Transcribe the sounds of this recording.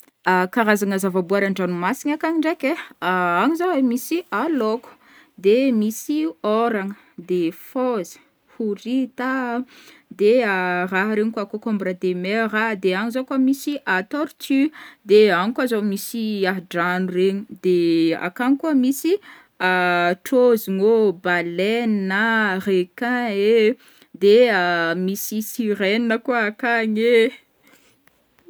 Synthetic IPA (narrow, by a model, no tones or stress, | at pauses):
akaɾazaŋəzavabuaɾaɳɖ͡ʐanumasiɲakaɲiɳɖ͡ʐekeaaɲizawemisialoku̥ | d̪emisioɾaŋə | d̪efozə̥ | huɾit̪a | d̪earaɦɾeɲikuakokombɾad̪emeraɦd̪eaŋizokəmisiʔat̪oɾit̪ʰyd̪eaŋkuazomisiaɦɖ͡ʐanureɲid̪ea̰kaɲikuəmisi | aʈ͡ʂoziŋobalennarekãe | d̪eəmisisiɾennəkuaakaɲe